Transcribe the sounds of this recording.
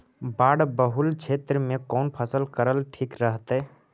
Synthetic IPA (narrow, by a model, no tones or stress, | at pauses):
baːɽbəɦʊlt͡ʃʰeːt̪ɾəmẽkɔːnpʰəsəlkəɾəlʈʰiːkɾəɦt̪ɦɛ